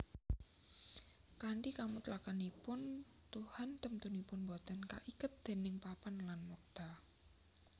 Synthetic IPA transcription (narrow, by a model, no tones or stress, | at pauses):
kaɳʈikamut̪əlakanipʊn | t̪uhant̪əmt̪unipʊnbɔt̪ənka̰ʔikʊt̪̚d̪̥e̤nɪŋpapanlanmɔk̚d̪̥a